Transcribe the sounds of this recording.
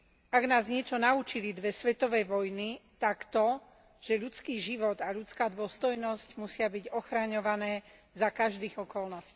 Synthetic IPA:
aɡnaːzɲɪɛt͡ʃɔnaut͡ʃilid̪ʋɛsʋɛt̪ɔʋɛjʋɔjnit̪akt̪ɔ | ʒ̥ɛʎut͡skiːʒiʋɔd̪aʎut͡skaːd̪ʊɔst̪ɔjnɔscmusɪabiɟɔxɾaɲɔʋanɛː | zakaʒd̪iːɣɔkɔlnɔsciː

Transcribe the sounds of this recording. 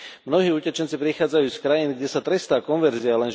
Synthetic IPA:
mnɔɦiːucɛt͡ʃɛnt͡sipɾixaːd͡zajuːskɾajiːnɡɟɛsat̪ɾɛst̪aːkɔnʋɛɾzialɛn

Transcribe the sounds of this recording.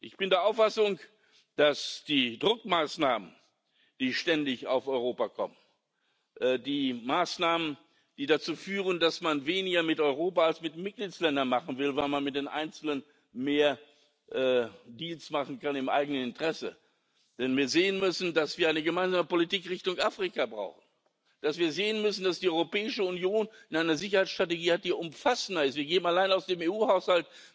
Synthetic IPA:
ʔɪçb̥ɪndeːɐʔaʊfasʊŋ | d̥asd̥iːdʁʊkmaːsnaːmən | d̥iːʃtɛndɪçaʊfɔʏʁ̞oːpakʰɔ̰mən | ʔɛːdiːmaːsnaːmən | d̥iːdat͡suːfyːʁəndasmanveːnɪɡɐmɪtɔʏʁ̞oːpaalsmɪtmɪt̚ɡ̥liːtslɛndɐnmaχn̩vɪlvaɪlmanmɪt̚d̥eːnʔa̰ɪnt͡sl̩ən | meːɐ | ʔɛːdiːlsmaχn̩kanɪmʔa̰ɪɡənənɪntʁ̥ɛsə̰ | d̥ɛnviːɐzeːənmʏsn̩dasv̥iːɐaɪnəɡəmaɪnzaːməpolitiːkʁɪçtʊŋʔaːfʁ̥ikabʁa̰ʊxn̩ | d̥asv̥iːɐzeːənmʏsn̩dasd̥iːɔʏʁopɛːɪʃəʊnjoːnʔɪnʔaɪnɐzɪçɐhaɪt͡ssʃtʁ̥ateɡiːhat̚d̥iːʔʊmfasn̩dɐɪstviːɐɡeːbm̩alaɪnaʊsd̥eːmeːuːhaʊshalt

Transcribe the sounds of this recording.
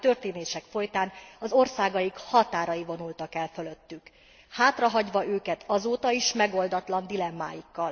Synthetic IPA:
t̪ø̞rt̪eːneːʃɛkfo̞jt̪aːnɒzo̞rsaːɡɒjikhɒt̪aːɾɒjivo̞nult̪ɒkɛlfølø̞t̪ːyk | haːt̪rɒɦɒɟʋɒʔøːkɛt̪ʰɒzoːt̪ɒiʃmɛɡo̞ld̪ɒt̪lɒnd̪ilɛmːa̰ːjikːɒl

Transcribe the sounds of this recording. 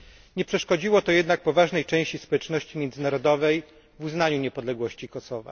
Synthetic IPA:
ɲɛpʂɛʂkɔd͡ʑiwɔt̪ɔjɛd̪nak̚pɔvaʐnɛjt͡ʂɛ̃w̃ɕt͡ɕispɔwɛt͡ʂnɔɕt͡ɕimʲjɛnd̪zɘnaɾɔd̪ɔvɛj | vuznaɲuɲɛpɔd̪lɛɡwɔɕt͡ɕikɔsɔva̰

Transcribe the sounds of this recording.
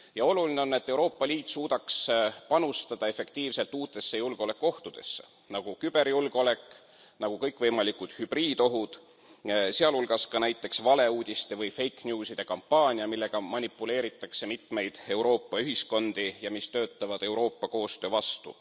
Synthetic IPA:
jɑo̞luline̞o̞nːe̞t̪ːˑewɾo̞ːpˑːɑlʲiːt̪ːˑsuːd̪ɑkspɑnust̪ɑd̪̥ɑe̞fe̞kt̪iːvse̞lt̪ːuːt̪ːˑe̞sːejulɡ̥o̞le̞kːo̞ht̪ud̪̥e̞̰sːḛ | nɑɡ̥ukyb̥e̞ɾjulɡ̥o̞le̞kːˑ | nɑɡ̥ukɤjkˑvɤjmɑlikˑud̪̥hyb̥riːd̪o̞ɦud̪̥ | se̞ɑlulɡ̥ɑskɑnæjt̪ːˑe̞ksvɑle̞uːd̪̥ʲist̪e̞vɤjfe̞jknʲjuːsid̪̥e̞kɑmpːɑːnʲiɑmilːe̞ɡ̥ɑmɑnʲipːˑule̞ːɾit̪ːˑɑkse̞mit̪me̞jd̪̥e̞wɾo̞ːpːɑyɦisko̞nd̪̥ijɑmist̪øːt̪ːˑɑvɑd̪̥e̞wɾo̞ːpːɑko̞ːst̪ø̞ːvɑst̪ṵ

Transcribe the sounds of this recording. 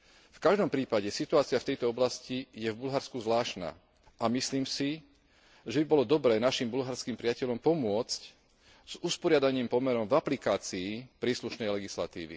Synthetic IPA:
fkaʒd̪ɔmpɾiːpaɟɛsit̪uaːt͡siaft̪ɛjt̪ɔɔblascijɛvbulɦaɾskuzʋlaːʃna̰ː | ʔamisliːmsi | ʒɛbibɔlɔd̪ɔbɾɛːnaʃimbulɦaɾskiːmpɾɪacɛʎɔmpɔmʊɔt͡sc | z̥uspɔɾɪad̪aɲiːmpɔmɛɾɔmvaplikaːt͡siːpɾiːsluʃnɛjlɛɡisla̰t̪ḭːʋḭ

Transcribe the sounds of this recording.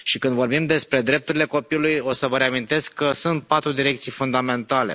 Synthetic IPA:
ʃikɨnd̪vo̞rbimd̪e̞spɾe̞d̪ɾe̞p̚t̪uɾile̞ko̞piulujo̞səvəɾeamint̪e̞skːəsunt̪̚pat̪ɾud̪iɾe̞kt̪sijfund̪ame̞nt̪ale̞̰

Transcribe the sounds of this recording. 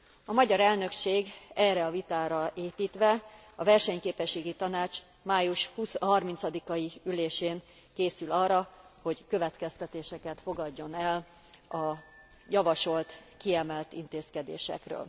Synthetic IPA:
ɒmɒɟɒɾɛlnø̞kʃeːɡɛːrɛɒvit̪aːɾɒʔeːpiːt̪ʋɛ | ɒvɛrʃɛɲkeːpɛʃːeːɡit̪ɒnaːt͡ʃ | maːjuʃhusɦɒrmint̪sɒd̪ikɒjiyleːʃeːn | keːsylɒːrɒho̞ɟkø̞vɛt̪kɛst̪ɛt̪eːʃɛkɛt̪fo̞ɡɒɟːo̞nɛl | ɒ | jɒvɒʃo̞lt̪kiɛmɛlt̪int̪eːskɛd̪ḛːʃɛ̰krø̰ːl

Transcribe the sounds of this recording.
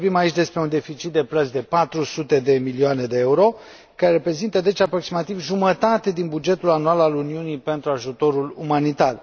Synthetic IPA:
obimait͡ʃʲd̪e̞spɾe̞und̪e̞fit͡ʃit̪̚d̪e̞plət̪sʲd̪e̞pat̪ɾusut̪e̞d̪e̞milioane̞d̪e̞euɾo̞ | kaɾeɾepɾe̞zint̪əd̪e̞t͡ʃapɾo̞ksimat̪ivʒumət̪at̪e̞d̪inbud͡ʒe̞t̪ulanualaluniunipe̞nt̪ɾuaʒut̪o̞ɾulumanit̪ar

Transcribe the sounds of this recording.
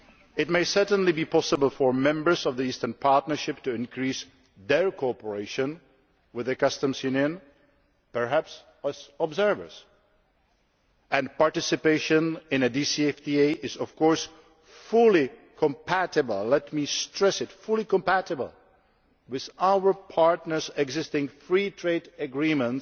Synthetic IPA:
ɪt̚meɪsɜ˞tn̩libipʰɑsəbəl̩ˠfə˞mɛ̃mbə˞zʌvðiistə̃˞npʰɑɹtⁿnə˞ʃɪp̚tɨɪ̃nkʰɹis | ðəɹkʰoɔpə˞eɪʃɨ̃n | wɨðɨkʌstə̃mzjʉnjɨ̃n | pə˞ɦæps | æzəbzɜ˞və̰˞z̥ | ɨ̃npɑɹtɪsɨpeɪʃɨ̃nɪ̃nɨdisiɛfdieʔɪzɔv̥kɔɹs | fʊlˠikʰə̃mpʰæɾɨbəl̩ˠlɛtmistɹ̥ɛsɨtfʊlˠikə̃mpæɾɨbə̰l̩ˠ | wɪðaʊwə˞pʰɑɹtnə˞zɛɡzɪstɪ̃ŋfɹitʰɹ̥eɪdɨɡɹĩmə̃nt

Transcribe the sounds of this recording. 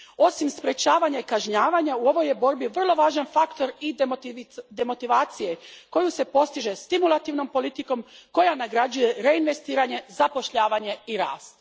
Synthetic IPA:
o̞simspɾe̞t͡ɕaːʋaɲaikaʒɲaːʋaɲauo̞ʋo̞je̞bo̞ɾbiʋr̩lˠo̞ʋaːʒanfakt̪o̞ɾi | d̪e̞mo̞t̪iʋaːt̪sije̞ko̞juse̞po̞st̪iʒe̞st̪imulˠat̪iʋno̞mpo̞lit̪iko̞mko̞janaɡɾad͡ʒuje̞ɾe̞inʋe̞st̪iːɾaɲe̞zapo̞ʃʎaːʋaɲe̞iɾa̰ːst̪

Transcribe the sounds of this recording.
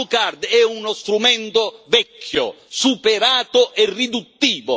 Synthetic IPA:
ukard̪ɛunost̪ɾumɛnt̪ovɛkʰːjo̰ | supeɾaːt̪oʔɛrːid̪ut̪ːiːvo

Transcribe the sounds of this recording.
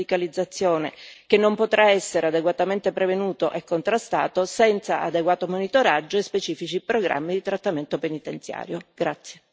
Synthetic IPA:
ikalid̪zːat̪sːjoːnekenːompot̪ɾʔaɛsːeɾead̪eɡwat̪ament̪epɾevenuːt̪oʔekːont̪ɾast̪a̰ːt̪osɛnt̪sa̰ʔad̪eɡwaːt̪omonit̪oɾad͡ʒːoespet͡ʃiːfit͡ʃipɾoɡɾʔa̰mːid̪it̪ɾat̪ːament̪openit̪ent̪sja̰ːɾjoɡ̥ɾat̪sːje

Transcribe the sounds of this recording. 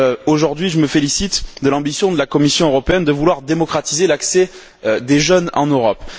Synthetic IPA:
oʒuʁd̪ɥiʒəməfelisit̪d̪əlɑ̃bisjɔ̃d̪əlakɔmisjɔ̃øʁɔpeɛnd̪əvulwaʁd̪emɔkχat̪izelaksɛ | d̪eʒœnɑ̰̃nøʁɔp

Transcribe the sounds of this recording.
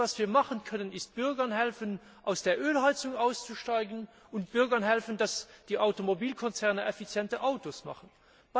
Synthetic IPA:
ɑsv̥iːɐmɑχənkʰœnənɪst̚b̥ʏɐɡɐnhɛlfən | ʔaʊsd̥eːɐʔøːlhaɪt͡sʊŋaʊst͡suʃtaɪɡən̩ | ʊnt̚b̥ʏɐɡɐnɦɛlfəndɑsd̥iːʔaʊtomobiːlkʰɔnt͡sɛɐnəʔɛfit͡sjɛntəʔaʊtosmɑ̰χən | b

